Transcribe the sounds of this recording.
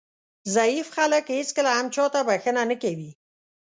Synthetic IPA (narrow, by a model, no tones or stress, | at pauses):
zaifxaləkhet͡skəlaamt͡ʃɑt̪abaxənanəkawi